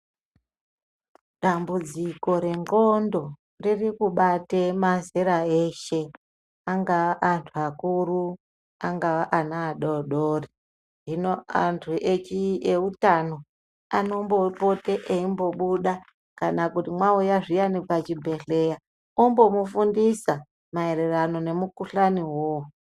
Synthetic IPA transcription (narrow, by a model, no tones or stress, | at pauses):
ɗambud͡ziko̞ɾe̞ŋɡo̞ndo̞ | ririkuɓatemazeɾaeʃe̞ | aŋɡaʋaʔantʰuakuɾu | aŋɡaʋaʔanaːɗoɗoːri | ɦinoantʰuʔet͡ʃieutano̞ | ano̞mbo̞po̞teʔeimbo̞ɓuɗa | kanakutimwaujaʐijanipat͡ʃibʱe̞ɬe̞ja | ombo̞mufundisa | mae̞ɾe̞rano̞ne̞mukuɬaniwoː